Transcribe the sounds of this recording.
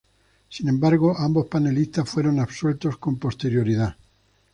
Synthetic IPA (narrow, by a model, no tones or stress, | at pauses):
sinẽ̞mbaɾɣoʔambo̞spane̞list̪asfwe̞ɾo̞naβswe̞lt̪o̞sko̞mpo̞st̪e̞ɾjo̞ɾiða